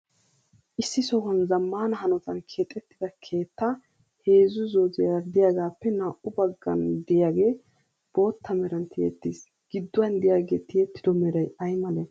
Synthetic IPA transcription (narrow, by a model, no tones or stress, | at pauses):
ʔɪsːɪsɔwɐnzɐmːaːnɐɦɐnɔt̪ɐnkʰeːt̪ʼːɛt̪ːɪd̪ɐkʰe̞ːt̪ːɐ | he̞ːzʊzoːzɪjad̪ɪjaːɡaːpːɛnaːʔʊbɐɡːɐ̰nd̪ɪjaːɡe̞ː | b̥o̞ːt̪ːɐmɛɾɐnt̪ʰɪjɛ̰t̪ːis | ɡ̥ɪd̪ːʊwɐnd̪ɪjaːɡeːt̪ɪjɛt̪ːɪd̪ɔmɛɾɐjɐjmɐlɛ